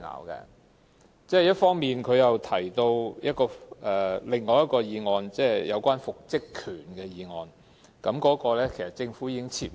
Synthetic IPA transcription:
na̰ː˨˩wkɛ̰˧ | t͡sɛː˥jɐ˥t̚fɔː˥ŋmiː˨nkʰɵ˨˧ɥjɐ˨wt̪ʰɐ˨˩jt̪o˧wjɐ˥t̚kɔː˧ʔɛː˨lɪ˨˧ŋːɔː˨˧jɐ˥t̚kɔː˧jiː˨˧ŋɔː˨˧nt͡sɛː˥˩jɐ˨˧wkʷaː˥nfʊ˨k̚t͡sɪ˥kʰyː˨˩nkɛː˧jiː˨˧ŋɔː˨˧n | kɐ˨˥mkɔː˨˥kɔː˧lɛː˥kʰe˨˩jsɐ˨t̚t͡sɪ˧ŋfuː˨˥jiː˧kɪ˥ŋt͡sʰiː˧˩

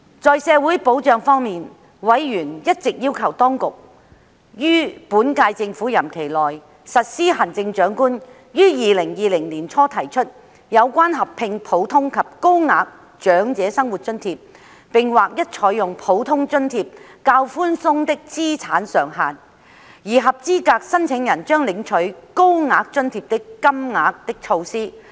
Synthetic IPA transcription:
t͡sɔː˨jsɛː˨˧wuː˨˥jpo˨˥wt͡ʃœː˨˧ŋfɔː˥ŋmiː˨n | wɐ˨˥jːyː˨˩njɐ˥t̚t͡sɪ˨k̚jiː˥wkʰɐ˨˩wt̪ɔː˥ŋkʊ˨k̚ | jyː˥puː˨˥nkaː˧jt͡sɪ˧ŋfuː˨˥jɐ˨˩mkʰe˨˩jlɔː˨˩j | sɐ˨t̚siː˥ɦa˨˩nt͡sɪ˧ŋt͡ʃœː˨˥ŋkuː˥n | jyː˥jiː˨lɪ˨˩ŋjiː˨lɪ˨˩ŋliː˨˩nt͡ʃʰɔː˥t̪ʰɐ˨˩jt͡ʃʰɵ˥t̚ | jɐ˨˧wkʷaː˥nɦɐ˨pʰɪ˧ŋpʰo˨˥wt̪ʰʊ˥ŋkʰɐ˨p̚ko˥wŋaː˨k̚ | t͡ʃœː˨˥ŋt͡sɛː˨˥sɐ˥ŋwu˨˩t̚t͡ʃɵ˥nt̪ʰiː˧p̚ | pɪ˨ŋwaː˨˩k̚jɐ˥t̚t͡ʃʰɔː˨˥jʊ˨ŋpʰo˨˥wt̪ʰʊ˥ŋt͡ʃɵ˥nt̪ʰiː˧p̚kaː˧wfuː˥nsʊ˥ŋt̪ɪ˥k̚t͡siː˥t͡sʰaː˨˥nsœː˨ŋɦaː˨n | jiː˨˩ɦɐ˨p̚t͡siː˥kaː˧k̚sɐ˥nt͡sʰɪ˨˥ŋjɐ˨˩nt͡ʃœː˥ŋlɪ˨˧˥ŋt͡ʃʰɵ˨˥ɥko˥wŋaː˨˧k̚t͡ʃɵ˥nt̪ʰiː˧p̚t̪ɪ˥kkːɐ˥mŋaː˨˥k̚t̪ɪ˥k̚t͡ʃʰo˧wsiː˥

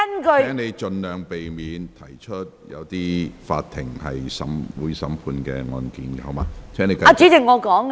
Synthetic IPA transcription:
ɐ˥nkɵ˧ɛː˥ŋne˨˧jt͡ʃɵ˧nlœː˨˩ŋpe˨jmiː˨˧nt̪ʰɐ˨˩jt͡ʃʰɵ˥t̚jɐ̰˨˧wt̪iː˥fa̰ː˧tt̪ʰɪ˨˩ŋhɐ̰˨jsɐ̰˨˥mwuː˨˥jsɐ̰˨˥mpʰuː˧nkɛ̰ː˧ŋɔ̰ː˧nkiː˨˥n˨ho˨˦maː˧˦t̪ʰɛː˥ne˨˧ka˧t͡ʃiː˨˥t͡sɪ˨˩ŋːɔː˨˧kɔː˨˥ŋ

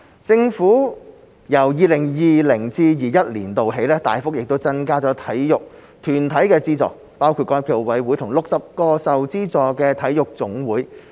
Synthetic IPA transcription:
t͡sɪ˧ŋfuː˨˥ | jɐ˨˩wjiː˨˧lɪ˨˩ŋjiː˨˧lɪ˨˩ŋt͡siː˧jiː˨jɐ˥t̚liː˨˩nt̪o˨wɦe˨˥jlɛː˥t̪a̰ː˨jfʊ˥k̚jɪ˨k̚t̪o˥wt͡sɐ˥nkaː˥t͡sɔː˨˥t̪ʰɐ˨˥jjʊ˨k̚ | t̪ʰyː˨˩nt̪ʰɐ˨˥jkɛː˧t͡siː˥t͡sɔ̰ː˨˩k̚ | paː˥wkʰu˧t̚kɔː˧jpʰiː˨˩wɐ˨˥jwuː˨˥jt̪ʰʊ˨˩ŋlʊ˨k̚sɐ˨p̚kɔː˧sɐ˨wt͡siː˥t͡sɔː˨˧kɛː˧t̪ʰɐ˨˥jjʊ˨k̚t͡sʊ˨˥ŋwuː˨˥j

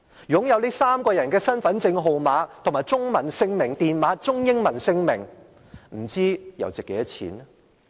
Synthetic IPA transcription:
jʊ˨˥ŋjɐ˨˧wliː˥saː˥mkɔː˧jɐ˨˩nkɛː˧sɐ˥nfɐ˨˥nt͡sɪ˧ŋɦo˨wmaː˨˧˥t̪ʰŋmaː˨jt͡sʊ˥ŋmɐ˨˩nsɪ˧ŋmɪ˨˩ŋt̪iː˨nmaː˨˥t͡sʊ˥ŋjɪ˥ŋmɐ˨˩nsɪ˧ŋmɪ˨˩ŋ | m̩˨˩t͡siː˥jɐ̰˨˩wt͡sɪ˨kːe˨˧˥jɐ˥t͡sʰḭː˨˥n˥

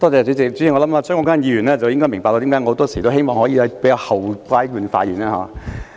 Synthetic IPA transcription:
t̪ɔː˥t͡sɛː˨˩t͡syː˨˥t͡sɪ˨k̚t͡ʃy˨˥jŋɔ˨˧˥lɐ˨˥maː˧t͡sʰːŋkɔː˧˥kʰaː˥njiː˧ɥyː˨˩nlɛː˥t͡sɐ˨wjɪ˥ŋkɔː˥jmɪ˨˩ŋpaː˨tɔː˧t̪i˨˥kaː˧˥ŋː˧˥t̪ɔː˥si˨˩t̪o˥wɦe˥jmɔː˨ŋhɔː˨˥jiː˧ɐ˨˥pe˨˥jkaː˧whɐ˨wkʷaː˧˥jkyː˨˧nfa̰ː˧t̚jḭː˨˩naː˧˩ɦa̰ː˨˧˥

